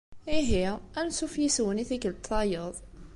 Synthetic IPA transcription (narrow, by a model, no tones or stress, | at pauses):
iɦiænsufjiswəniθikəlt̪ˤʰːɑjəðˤ